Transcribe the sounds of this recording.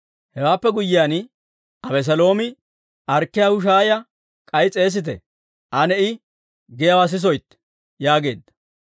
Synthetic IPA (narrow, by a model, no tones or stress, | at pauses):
hɛwaːpːɛɡʊjːɪjaːn | ʔɐbɛs̬ɐlo̞ːmɪ | ʔɐɾkːɪjahʊʃ̬aːjɐ | kʼɐjt͡sʼe̞ːs̬ɪt̪̬ɛ̰ | ʔɐnɛɪ | ɡɛjɐwas̬ɪs̬ɔjt̪ː | jaːɡe̞ːd̪ːɐ̥